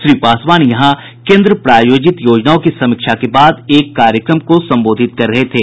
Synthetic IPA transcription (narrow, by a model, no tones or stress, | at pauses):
ʃɾiːpaːsʋaːnjɐɦã | kẽːnd̪ɾəpɾaːjoːd͡ʒɪt̪joːd͡ʒnaːõkisɐmɪkʃakebaːd̪eːkːaːɾjəkɾəmkosɐ̃mboːd̪ʱɪt̪̚kɐɾːɐɦet̪ʰeː